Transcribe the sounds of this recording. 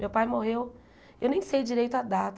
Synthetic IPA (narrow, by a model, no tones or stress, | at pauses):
mewpajmoɦew | ewnẽj̃sejd͡ʒiɾejt̪ʊad̪at̪